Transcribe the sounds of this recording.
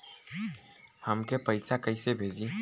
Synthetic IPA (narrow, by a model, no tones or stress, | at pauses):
həmkepəɪsakəɪsebʱeːd͡ʒi